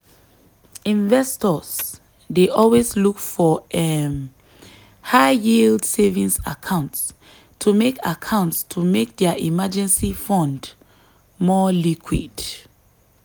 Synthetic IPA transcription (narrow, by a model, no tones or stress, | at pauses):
ĩnvɛstɔz | deʔɔlweslukfɔɛm | haɪjildsevĩŋsa̰kʰãʊ̃nts | tʰumekakʰãʊ̃ntstʰumek̚dɛaʔimad͡ʒɛ̃nsifɔ̃nd | mɔlikʰwḭd̥